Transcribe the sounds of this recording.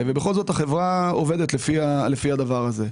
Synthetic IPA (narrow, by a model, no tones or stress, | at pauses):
vebeχo̞lzo̞t̪aχe̞vʁaove̞d̪et̪lefialefiad̪avaʁaze̞